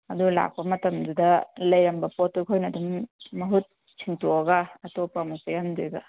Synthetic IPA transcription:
ɐdula̰k̚pɐmɐtɐmdudɐlɐjɾɐmbɐpotukʰojnɐdumːɐɦut̚ | sʰiŋtuɐɡɐɐtopːɐmosejamduɡɐ

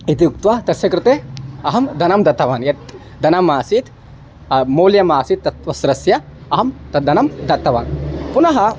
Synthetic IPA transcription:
it̪ijuk̚t̪ʋɐt̪ɐsjɐkɾɪt̪eɐɦɐmd̪ɐnɐmd̪ɐt̪ːɐʋaːnjɐt̪ | d̪ɐnɐmaːsit̪ | moːljɐmaːsit̪ːɐt̪ʋɐsɾɐsjɐ | ɐɦɐmt̪ɐd̪ɐnɐmd̪ɐt̪ːɐʋaːnpunɐɦɐ

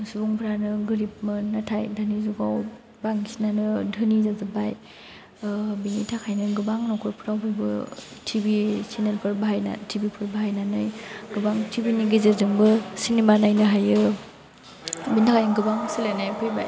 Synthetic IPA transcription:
subuŋpʰɾanɯɡɯɾip̚mɯnatʰajdanizuɡaw | baŋsinanɯdʱɯnizazɯbaj | binitʰakʰajnɯɡɯbaŋnɔkʰɔɾpʰɯɾawbʰɯjbɯ̰tʰibisinelpʰɯɾbaɦajna̰tʰibipʰɯɾbaɦajnanɯjɡɯbaŋtʰibiniɡezezɯŋbɯsinemanajnɯɦajɯ | bintʰakʰajnɡɯbaŋsilanajpʰɯjba̰j

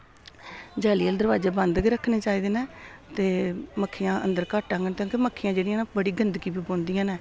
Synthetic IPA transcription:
d͡ʒaːliːəld̪əɾʋaːd͡ʒeːbə̃nd̪ɡiːɾəkʰːneːt͡ʃaːiːd̪eːnaːt̪eːməkʰːiːãːʔə̰̃nd̪əɾkaːʈãːŋɡənk̪õːkeməkʰːijãːd͡ʒeːɽijãːnːbəɽiːɡənd̪ɡiːbiːbõːnd̪ijãːnɛː

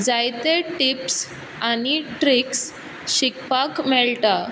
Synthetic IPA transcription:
d͡zajt̪eʈips | añiʈɾiks | ɕikpakmɛɭʈa

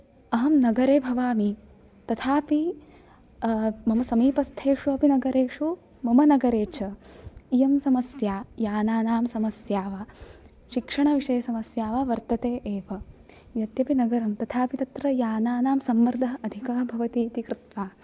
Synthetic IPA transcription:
ɐɦɐmnɐɡɐɾeːbʱɐʋaːmi | t̪ɐt̪ʰaːpi | mɐmɐsɐmiːpɐst̪ʰeːʂuɐpinɐɡɐɾeːʂu | mɐmɐnɐɡɐɾeːt͡ʃʰɐijɐmsɐmɐsjaːjaːnaːnaːmsɐmɐsjaːʋaː | ʃikʂɐɳɐʋiʂɐjɐsɐmɐsjaːʋaːʋɐɾt̪ɐt̪eːʔeːʋɐ | jɐt̪jɐpinɐɡɐɾɐmt̪ɐt̪ʰaːpit̪ɐt̪ɾɐjaːnaːnaːmsɐmʋɐɾd̪ʱɐɦɐɐd̪ʱikɐɐbʱɐʋɐt̪iːt̪ikɾɪt̪ʋaː

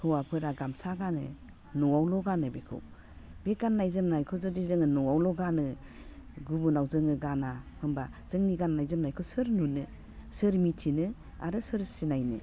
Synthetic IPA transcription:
hʰɯwapʰɯɾaɡamsaɡanɯ̰ | nɔwawlɔɡanɯbekʰɯ̰w | b̥eɡanːajzɯmnajkʰɔzɔdizɯŋɯnɔwawlɔɡanɯ | ɡubunawzɯŋɯɡanahʰɯmbaz̥ɯŋniɡanːajzɯmnajkʰɔsɯɾnunɯ | sɯɾmitʰinɯ | a̰ɾɯsɯɾsinajnɯ̰

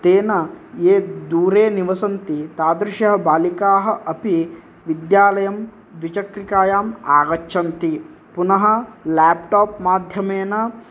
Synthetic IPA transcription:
t̪eːnɐjeːd̪uːɾeːniʋɐsɐnt̪it̪aːd̪ɾɪʃjɐɦɐbaːlikaːɦɐ̆ʔɐpi | ʋid̪jaːlɐjɐm | d̪ʋit͡ʃɐkɾikaːjaːma̰ːɡɐʃʰɐnt̪i | punɐɦɐ̆laːpʈaːpmaːd̪ʱjɐmeːnɐ

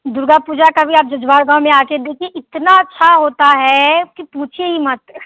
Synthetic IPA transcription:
d̪ʊɾɡapuːd͡ʒakabʱiaːp̚d͡ʒɐd͡ʒbaːɾɡãːwmẽaːked̪eːkʰieʔɪt̪naɐtːʃʰaɦoːt̪aɦɛkipuːt͡ʃʰeɦimat̪

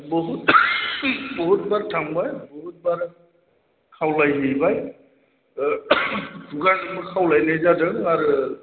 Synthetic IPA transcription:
bɔɦut | bɔɦut̚baɹtʰaŋbajbɔɦut̚baɹ | kʰawlajɦejbaj | duɡanamɔkʰawlajnejzadəŋaɹu

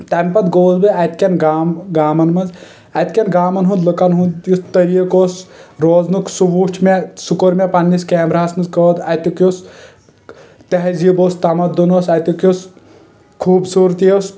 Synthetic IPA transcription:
t̪ɐmʲpɐd̪ɡoːzbɨɐt̪kʲɐnaːɡaːmɐnmɐnz | ɐt̪kʲɐnɡaːmɐnɦũnd̪lɨkɐnɦũnd̪jist̪ɐɾiəkoːsɾoːznuksuʋuːt͡ʃʰmesukoɾmepɐnːiskeːmɾaːsmɐnzkəːd̪ɐt̪ukjos | t̪ɐɦziboːst̪ɐmɐd̪ːunoːsɐt̪ukos | kʰuːbsuːɾt̪ijos

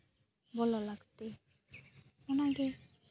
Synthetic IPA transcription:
bɔlolaɡt̪e | onaɡe

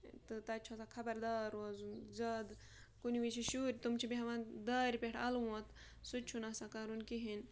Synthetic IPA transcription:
t̪ɨt̪ɐt͡ʃʰosakʰɐbɐɾd̪aːɾoːzunzɐd̪ | kuniʋiʃiʃuɾʲt̪umt͡ʃʰibiɦɐʋãːd̪aːɾʲpʲeʈʰɐlwɐt̪ | sut͡ʃʰunɐsakaɾunkiɦin

